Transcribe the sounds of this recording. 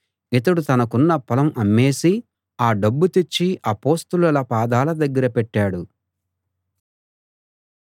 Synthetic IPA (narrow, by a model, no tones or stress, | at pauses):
it̪ɐɽut̪ɐnɐkunːɐpɐlɐmʔɐmːeːsi | aːɖɐbːut̪et͡ʃːiʔɐpo̞ːst̪ulɐlɐpaːd̪aːlɐd̪ɐɡːɐɾɐpɛʈːaːɽu